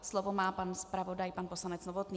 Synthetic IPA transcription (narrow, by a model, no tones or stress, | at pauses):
slovomaːpanspɾavo̞dajpanpo̞slanɛt͡snovot̪niː